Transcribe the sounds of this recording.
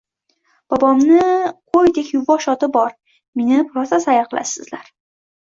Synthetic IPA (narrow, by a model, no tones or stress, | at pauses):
b̥ɒbɒmnɪqʰojd̪ekʲjʊbɒʃɒt̪ɪbɒɾ | menɪpʰʊɾasasajaqʰɨlˠa̰sɪzlaɾ